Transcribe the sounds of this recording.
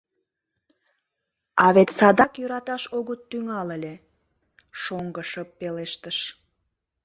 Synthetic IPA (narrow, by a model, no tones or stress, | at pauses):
ɑβet̪ʲsɑd̪ɑkjøɾɑt̪ɑʃoɣət̪ːyŋɑlelʲe | ʃoŋɡəʃəpːeleʃt̪əʃ